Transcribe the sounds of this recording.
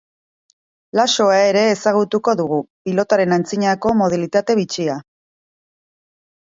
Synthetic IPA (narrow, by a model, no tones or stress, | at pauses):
laso̞ae̞ɾe̞ːsaɣ̞ut̪uko̞ðuɣ̞upilo̞t̪aɾe̞nant͡siɲako̞mo̞ð̞ilit̪at̪e̞βit͡sia